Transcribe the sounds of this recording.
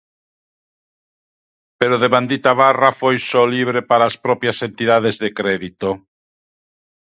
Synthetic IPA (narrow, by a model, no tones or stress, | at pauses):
peɾoðeβãnd̪it̪aβarafojsɔliβɾepaɾaːspɾɔpjasent̪iðaðezðekɾɛðit̪o